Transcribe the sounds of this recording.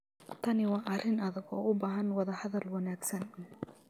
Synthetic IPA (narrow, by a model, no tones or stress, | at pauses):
t̪ʰɐnɪwɑːʔɐrɪnɐðɐɡɔːʔʊbaːɦɐnwɐðɐhɐðɐlwɐnaːɡsɐn